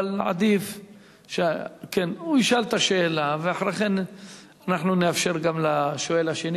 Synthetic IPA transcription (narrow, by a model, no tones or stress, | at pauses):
lʕa̰d̪if | ʃekenuiʃalt̪aʃeːlaveaħʁeχen | anaħnuneafʃe̞ʁɡamlaʃoelaʃeni